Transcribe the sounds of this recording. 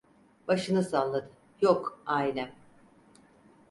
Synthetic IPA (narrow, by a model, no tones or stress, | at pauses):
baʃɯnɯsanlˠad̪ɯ | jokajnʲæm